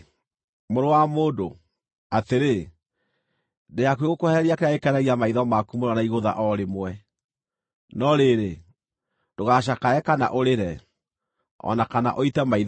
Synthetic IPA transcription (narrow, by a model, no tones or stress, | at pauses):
moɾowamoːdo | ateɾe | deakweɣokohɛɾiakeaekɛɾɛɣiamaiðɔmakumoɾanaiɣoða̰ʔɔɾemwɛ | nɔɾeɾe | doɣaʃ̬akaɛkana̰ʔoɾeɾɛ | ɔ̰nakana̰ʔɔitɛmaið